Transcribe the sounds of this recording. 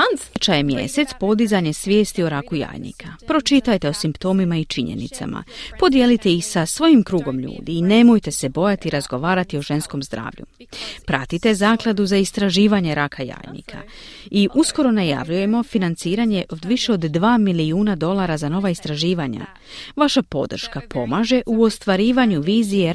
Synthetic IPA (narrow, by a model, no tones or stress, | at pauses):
ant͡ʃajemje̞̰se̞t̪spo̞d̪izaɲesʋʲje̞ːst̪ioɾakuja̰ːjnḭkʰapɾo̞t͡ʃit̪ajt̪e̞o̞simpt̪o̞ːmimait͡ʃiɲḛnḭt̪sa̰mʔa̰po̞d̪je̞lit̪e̞isasʋo̞jimkɾuːɡo̞mʎṵːd̪iːne̞mo̞jt̪e̞se̞bo̞jat̪iɾazɡo̞ʋaːɾat̪io̞ʒe̞nsko̞mzd̪ɾa̰ːʋʎṵ | pɾat̪it̪e̞zaːklˠad̪uzaist̪ɾaʒiːʋaɲe̞ɾakʰaja̰ːjnḭkʰa̰ | iʔusko̞ɾo̞naja̰ʋʎuje̞mo̞finant̪siːɾaɲe̞ʔo̞d̪ʋiʃe̞o̞d̪ːʋaːmiliuːnad̪o̞lˠaɾazano̞ʋaist̪ɾaʒiːʋaɲa̰ | ʋaʃapo̞d̪r̩ʃkapʰo̞maːʒe̞ʔuo̞st̪ʋaɾiːʋaɲuʋiːzije̞